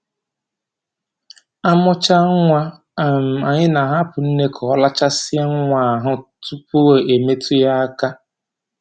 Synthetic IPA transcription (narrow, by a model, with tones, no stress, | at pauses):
a˦mɔ˦t͡ʃa˦ŋʷa˦˨ | m̩˨a˨ɲɪ˦na˨ɦa˦pʊ˨n̩˦ne˦kʰɔ˨ɔ˦la˦t͡ʃa˦sɪ˦a˦ŋ̩˦ŋʷa˨ɦʊ˦tu˦pʊ˦we˨ʔe˨me˦tʊ˦ja˦a˦ka˦